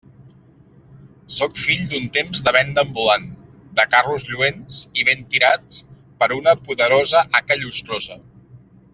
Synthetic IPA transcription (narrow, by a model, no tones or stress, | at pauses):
sokfiʎd̪unt̪emzd̪əβ̞ɛnd̪əːmbulan | d̪əkaruzʎuensiβent̪iɾat͡s | pəɾunəpuðəɾozəʔakəʎust̪ɾozə̰